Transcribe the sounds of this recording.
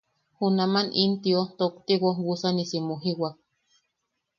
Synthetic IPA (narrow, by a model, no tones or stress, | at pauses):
hunamanint̪iot̪okt̪iwowusanisimuɦiwak̚